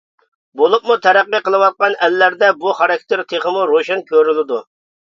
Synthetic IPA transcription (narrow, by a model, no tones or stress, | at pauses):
bolˠup̚mut̪ʰɛɾæqːəqʰəlˠɨwɑt̪̚qɑnɛlːæɾd̪ɛbuχɑɾɑk̚ʲt̪ʰeɾt̪ʰeχəmuɾoʃɛnkʲʰøɾylɪd̪u